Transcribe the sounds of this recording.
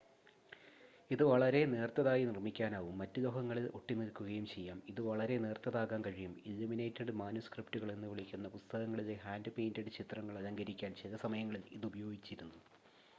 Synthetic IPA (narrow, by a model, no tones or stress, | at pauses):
iðɨʋɐɭɐɾe̞ne̞ːrt̪ɐðaːjinirmikʲːaːnaːʋumːɐtːɨloɦɐŋːɐɭilo̞ʈːinilkːuɣɐjumt͡ɕe̞jːaːmiðɨʋɐɭɐɾe̞ne̞ːrt̪ɐðaːɣaːnkɐɻijumilːumine̞ːtːɐɖɨmaːnuskriptuɣɐɭe̞nːɨʋiɭikʲːunːɐpust̪ɐɣɐŋːɐɭile̞ɦaːndɨpejndɐɽɨt͡ɕit̪rɐŋːɐɭɐlɐŋɡɐɾikʲːaːnt͡ɕeðɐsɐmɐjɐŋːɐɭiliðubɐjo̞ːɡit͡ɕːiɾunːu